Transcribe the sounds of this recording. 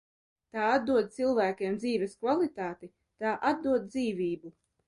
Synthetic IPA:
t̪aːad̪̚d̪uɔd̪̚t̪silˠvæːkʲeɛmd̪ziːvɛskvalit̪aːt̪i | t̪aːʔad̪̚d̪uɔd̪̚d̪ziːviːbu

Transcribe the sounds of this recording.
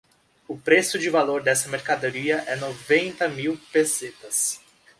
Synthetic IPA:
ʊpɾesʊd͡ʒɪvaloɾd̪ɛsɐmeɾkad̪oɾiɐʔɛnovẽnt̪ɐmiwpeset̪ɐs

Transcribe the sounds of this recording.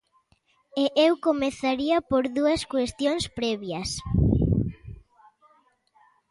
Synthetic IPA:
eʔewkomeθaɾiɐpoɾðuɐskwest̪joŋspɾɛβjɐs

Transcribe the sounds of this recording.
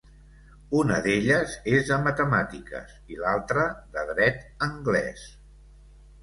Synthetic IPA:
unə̰ðeʎəzezðəmət̪əmat̪ikə̰silalˠt̪ɾəðəðɾɛt̪əŋɡlɛ̰s

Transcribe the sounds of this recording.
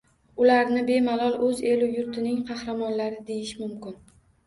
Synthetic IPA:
ʊlaɾnɪbe̞malɒlˠʔɵzelʊjʊɾt̪ʰɪnɪŋqʰɑhɾamɒnlaɾɪd̪e̞jɪʃmʊmkʲɪn

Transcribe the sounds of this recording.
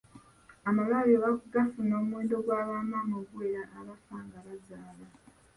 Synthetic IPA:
amalaleβakuɡafuno̞ːmwe̞ːndo̞ɡwaːβaːmaːmoɡweɾaʔːβafaːŋɡaβazaːla

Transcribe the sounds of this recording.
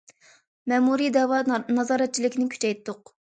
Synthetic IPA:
mɛmuɾid̪ɛwɑnɑzɑːɾɛt̪̚t͡ʃʰilɪkʲnɪkʲʰy̥t͡ʃɛjt̪ːʊq

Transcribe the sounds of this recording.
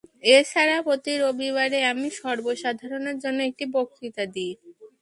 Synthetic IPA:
eʃaɾapot̪iɾobiβaɾeamiʃɔɾboʃad̪ʱaɾoneɾd͡ʑonːoek̚ʈibokʰːɾit̪ad̪i

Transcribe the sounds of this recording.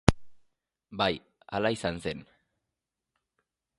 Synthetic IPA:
baj | a̰laisanse̞n

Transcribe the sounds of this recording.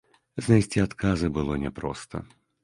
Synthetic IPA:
znajsʲt͡sʲiat̪kazɨbɨlˠɔnʲɛpɾɔ̰st̪ɐ̰

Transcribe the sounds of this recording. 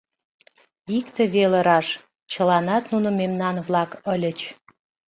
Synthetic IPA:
ikt̪əβeləɾɑʃ | t͡ɕəlɑnɑt̪nunə̆memnɑnβlɑkəlʲət͡ɕ

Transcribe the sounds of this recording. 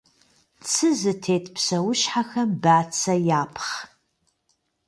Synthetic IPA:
t͡sʰɨzɨtʰeːtʰpʰsɐwʊʃħaxɐmbaːt͡sʰɐjaːpʰχ

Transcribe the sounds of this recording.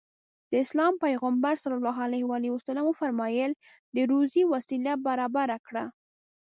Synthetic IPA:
d̪̥əɪslɑmpajɣambaɾsalɑlːɑɦalahwaliwasalamufaɾmɑjəl | d̪əɾuziwasilabaɾɑbaɾakɽa

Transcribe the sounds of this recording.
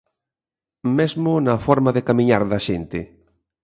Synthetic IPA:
mezmʊnɐfɔɾmaðɪkamĩɲaɾðɐʃent̪ɪ̰

